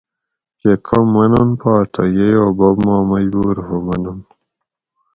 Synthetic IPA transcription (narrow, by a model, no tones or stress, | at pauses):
kekʰɐmːɐnunpaːt̪ʰɐjejoːbɐbmaːmɐjbuːɾɦomɐnun